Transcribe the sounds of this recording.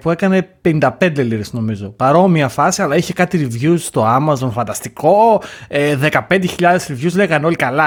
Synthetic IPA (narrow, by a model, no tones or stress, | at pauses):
pue̞kɐne̞pe̞nind̪ɐpe̞nd̪eliɾesno̞mizo̞pɐɾo̞miɐfɐsiɐlɐiçe̞kɐt̪iɾivʝust̪o̞ɐmɐzo̞nfɐnd̪ɐst̪iko̞eðe̞kɐpe̞nd̪eçiʎɐðe̞sɾivʝuzle̞ɣɐneo̞likɐlɐ